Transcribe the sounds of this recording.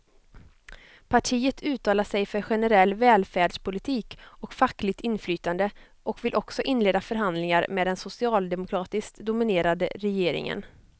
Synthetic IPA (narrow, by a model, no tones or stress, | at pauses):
pʰaʈʰiːət̪ʰʉ̟ːt̪ʰɑːlaʂɛjfœɾɧɛnəɾɛlːvɛːlfæːɖʂpʰʊlɪt̪ʰiːkɔkfakːlɪt̪ɪnflyːt̪and̪ə | ʔɔkvɪlʔɔksɔʔɪnːleːd̪afœɾɦand̪lɪŋaɾmɛːd̪ɛnsʊsɪɑːld̪ɛmʊkʰɾɑːt̪ɪskt̪d̪ʊmɪneːɾad̪ə̰ɾɛjeːɾɪ̰ŋə̰n